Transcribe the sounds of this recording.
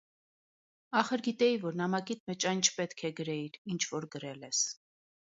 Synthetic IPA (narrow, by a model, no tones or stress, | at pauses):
ɑχəɾɡit̪ɛivɔɾnɑmɑkit̪mɛt͡ʃɑjnt͡ʃʰpɛt̪kʰɛɡəɾɛiɾint͡ʃʰvɔɾɡəɾɛlɛs